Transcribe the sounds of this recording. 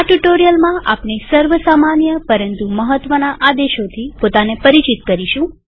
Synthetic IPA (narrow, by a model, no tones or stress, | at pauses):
aʈuʈoɾijəlmãʔa̰pnesəɾʋəsamanjəpəɾənt̪uməɦət̪ʋənaʔad̪eʃot̪ʰipot̪anepəɾit͡ʃit̪kəɾiʃũ